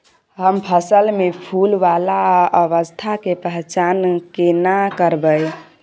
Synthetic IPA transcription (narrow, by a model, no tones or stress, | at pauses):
ɦəmpʰəsəlmepʰulʋalaəʋəst̪ʰakepəɦt͡ʃankenakəɾbəj